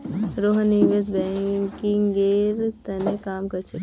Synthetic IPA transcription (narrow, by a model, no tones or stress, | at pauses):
ɾoɦniʋezbɛkĩŋɡeɾt̪ənekaːmkəɾt͡ʃʰe